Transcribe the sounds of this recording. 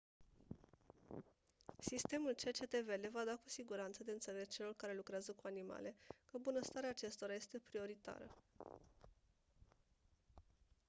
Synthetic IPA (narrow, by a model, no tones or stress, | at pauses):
sist̪e̞mult͡ʃe̞t͡ʃe̞t̪e̞ve̞le̞vad̪akusiɡuɾant̪səd̪e̞ɨnt̪se̞le̞t͡ʃe̞lo̞rkaɾe̞lukɾeazəkuanima̰le̞kəbunəst̪aɾeaːt͡ʃe̞st̪o̞ɾaje̞st̪e̞pɾio̞ɾit̪a̰ɾə̰